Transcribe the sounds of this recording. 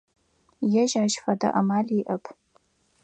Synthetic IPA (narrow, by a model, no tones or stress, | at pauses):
jaʒʕaʒfada̰ʔamalʲiʔɐpʼʰ